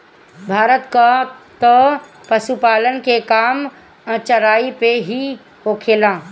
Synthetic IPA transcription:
bʱaːɾət̪kat̪ə | pəʃupaːlənkekaːm̃ | t͡ʃɐɾaːipeɦi | ɦoːkʰeːlãː

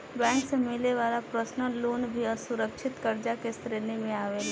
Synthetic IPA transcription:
bɛ̃ːksemɪleʋaːlapɾəsnəloːnbʱiəsʊɾəkʃʰɪt̪kəɾd͡ʒakest̪ɾeːnemẽaːʋeː

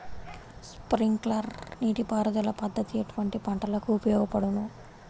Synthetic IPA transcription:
spɾiŋklɐɾniːʈipaːɾɐd̪ɐlɐpɐd̪ːɐt̪ieʈuʋɐɳʈipɐɳʈɐlɐkuupɐjɔːɡɐpɐɽunu

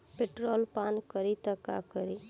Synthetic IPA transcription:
peʈɾoːlpaːnkəɾit̪əka̰kəɾi

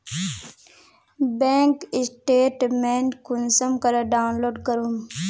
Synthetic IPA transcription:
bẽːŋkisʈeːʈmeɳʈkunsɐmkɐɾɐɖaːwnloːɖkɐɾum

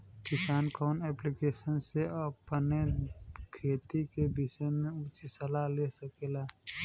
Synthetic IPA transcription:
kɪsaːnkɔːnɛːplikeːsənseəpnekʰeːt̪ikebɪʃəmẽut͡ʃisəlalesəkeːlaː

